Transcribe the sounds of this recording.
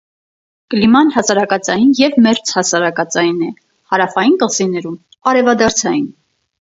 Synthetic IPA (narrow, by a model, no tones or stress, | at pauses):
kəlimɑnhɑsɑɾɑkɑt͡sɑjinjɛvmɛɾt͡sʰhɑsɑɾɑkɑt͡sɑjinɛ | hɑɾɑfɑjinkəsinɛɾum | ɑɾɛvɑd̪ɑɾt͡sʰɑjin